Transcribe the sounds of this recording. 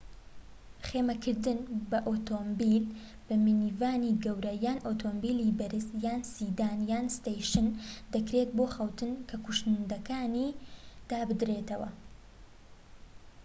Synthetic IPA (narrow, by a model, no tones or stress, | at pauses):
χeːmɐkʰɨɾd̪ɨnbɐʔoːt̪oːmbil | b̥ɐmɨniːvaːniːɡɐwɾɐjaːnʔoːt̪ʰombiːliːbɐɾɨsjaːnsiːd̪aːnjaːnst̪ejʃɨnd̪ɐkɾet̪̚boːxɐwt̪ʰɨnkʰɐkuʃnnd̪ɐkaːniːd̪̥aːbɨd̪ɾeːt̪ɐwɐ̰